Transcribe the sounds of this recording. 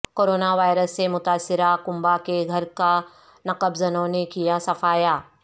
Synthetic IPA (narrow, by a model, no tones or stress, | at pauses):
koːɾoːnaʋaːɪɾəsːemʊt̪aːsːɪɾakʊ̃mbakeɡʱɐɾka | nɐqəbzɐnõnekijasɐfaːjaː